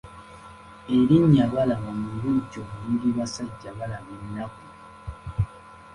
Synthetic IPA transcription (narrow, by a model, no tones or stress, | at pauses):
eɾiɲːaβalamamuɾuɟomniɾiβasaɟːaβalamenːaku